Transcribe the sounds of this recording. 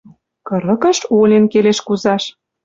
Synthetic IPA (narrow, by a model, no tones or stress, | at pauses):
kɤ̆ɾə̆kə̆ʃolʲenkeleʃkuzɑʃ